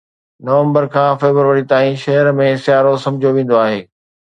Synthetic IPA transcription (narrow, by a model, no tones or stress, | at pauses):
nɐʋə̃mbəɾkʰãːfeːbəɾʋəɾit̪aːĩʃɐɦəɾmẽsjaːɾosɐ̃md͡ʑʱjoʋẽːn̆d̪oaːɦeː